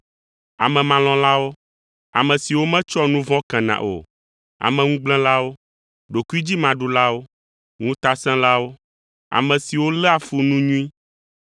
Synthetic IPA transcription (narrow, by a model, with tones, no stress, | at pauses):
a̰˨mɛ̃˨mã˨lɔ̃˨la˦wo˦ | a̰˨mɛ̃˨si˨wo˦mɛ̃˦t͡ʃɔ˦nũ˦vɔ̃˦kɛ̃˨nã̰˨ʔo̰˨ | a̰˨mɛ̃˨ŋũ˦ɡ͡blɛ̃˦la˦wo˦ | ɖo˨ki˦d͡ʑi˦mã˨ɖu˨la˦wo˦ | ŋũ˦t̪a˦sɛ̃˦la˦wo˦ | a̰˨mɛ̃˨si˨wo˦lɛ˦a˨fu˦nũ˦ɲũ˦ĩ˦